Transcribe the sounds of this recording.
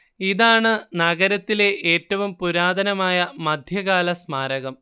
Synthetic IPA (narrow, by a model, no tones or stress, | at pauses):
iðaːɳɨnɐɣɐɾɐt̪ːile̞ʔeːtːɐʋumpuɾaːd̪ɐnɐmaːjɐmɐd̪ʱjɐɣaːlɐsmaːɾɐɣɐm